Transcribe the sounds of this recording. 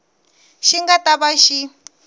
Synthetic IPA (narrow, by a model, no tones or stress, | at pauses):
ʃiŋɡataβaʃi